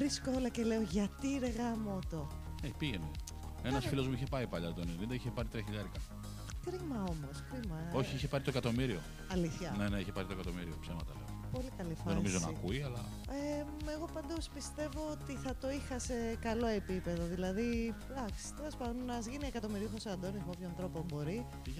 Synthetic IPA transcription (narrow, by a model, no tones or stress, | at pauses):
ɾiskoolɐce̞le̞oʝɐt̪iɾeɣɐmot̪o̞epiʝenul | enɐsfilo̞zmuiçe̞pɐipɐʎɐt̪t̪onenind̪ɐiçepɐɾit̪ɾiɐçiʎɐɾikɐ | kɾimɐo̞mo̞skɾimɐo̞çiiçepɐɾit̪oekɐt̪o̞miɾio | ɐliθçɐne̞neiçepɐɾit̪okɐt̪omiɾiopsemɐt̪ɐ̰leopo̞likɐlifɐðenomizo̞nɐ̰kuiɐlɐ | eeɣo̞pɐnd̪o̞spist̪e̞vo̞ot̪iθɐt̪o̞ixɐse̞kɐlo̞e̞pipe̞ðo̞ðilɐði | d̪ɐksi̥t̪elɐspɐðonzʝiniekɐt̪o̞miɾiuxosoɐnd̪onismopçonθɾo̞po̞mbo̞ɾi | i